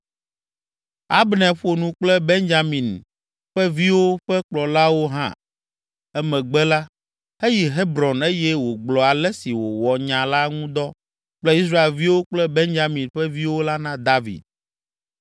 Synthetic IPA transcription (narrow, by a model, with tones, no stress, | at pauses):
a̰˦bnɛ̃˨ɸo˨nũ˨k͡plɛ˦be˦nd͡ʒa˨mĩ˨n | ɸɛ˦vi˦wo˦ɸɛ˦k͡plɔ˨la˦wo˦ɦã̰˦˨ | ɛ˦mɛ̃˨ɡ͡bɛ˦la˦ | e˦ji˨ɦe˦bɾɔ˨ne˦jɛ˦wo˨ɡ͡blɔ˨a˨lɛ˦si˨wo˨wɔ˨ɲã˨la˦ŋũ˦d̪ɔ˦ | k͡plɛ˦i˦s̬ɾa˦e˨lvi˦wo˦k͡plɛ˦be˦nd͡ʒa˨mĩ˨nɸɛ˦vi˦wo˦la˦nã˦d̪a˦vḭ˨d̪̚